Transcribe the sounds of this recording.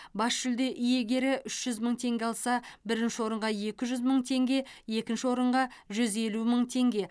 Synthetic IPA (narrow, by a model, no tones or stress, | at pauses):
bɑsʃʏld̪e̞ʔʏje̞ɡʲe̞ɾɪʔʏʃʒ̥ʏzməɴt̪ʰe̞ŋɡʲeɑlˠsɑbɪɾɪnʃɪwo̞ɾəɴʁɑje̞kʲɪʒʏzməɴt̪ʰe̞ŋɡʲe̞je̞kʲɪnʃɪwo̞ɾəɴʁɑʒʏze̞luməɴt̪ʰe̞ŋɡʲe̞